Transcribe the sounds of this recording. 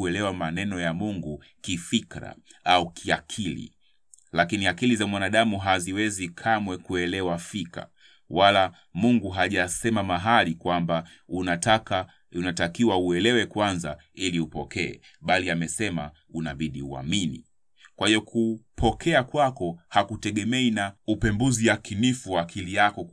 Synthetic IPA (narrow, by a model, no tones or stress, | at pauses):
uɛlɛwamanɛnɔjamuŋɡu | kifikɾa̰aukʰiakʰilḭ | lakiniakilizamwanaɗamuɦaziwɛzikʰamwɛkuɛlɛwafika̰ | wala | muŋɡuɦaʄasɛmamaɦalikwamba | uka | unatakiwauɛlɛwɛkwanza | iliupɔkɛɛ̰ | ɓaliamɛsɛma̰ | unaɓiɗiṵa̰minḭ | kwahijɔkʰupʰɔkʰɛakwakɔhakutɛɠɛmɛinaupɛmbuziakinifuwaːkʰilijakɔ